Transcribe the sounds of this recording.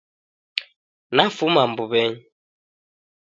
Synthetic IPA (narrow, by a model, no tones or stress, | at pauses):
nafumambuβɛɲ